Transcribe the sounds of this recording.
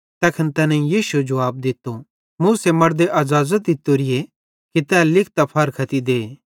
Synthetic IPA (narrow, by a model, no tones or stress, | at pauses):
t̪ɛːkʰənt̪ɛːnãĩjiːsued͡ʒɐʋaːb̚d̪ɪt̪ːo | mũːsemɐɽd̪eʔɐzaːzət̪̚d̪ɪt̪ːoɾɪe | kit̪ɛlɪk̚ʰt̪apʰɐɾkʰɐt̪id̪eː